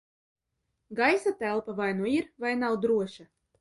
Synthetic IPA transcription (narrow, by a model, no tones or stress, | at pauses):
ɡajsat̪ælˠpavajnuiɾvajnawd̪ɾuɔʃa